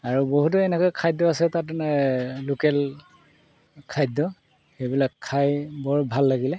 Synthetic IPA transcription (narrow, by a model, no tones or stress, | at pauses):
aɹuboɦut̬ɔɛnɛkɔjkʰajdɔasɛtat | lukɛl | kʰajdɔ | xejbilakʰːajbɔɹbʱalːaɡilɛ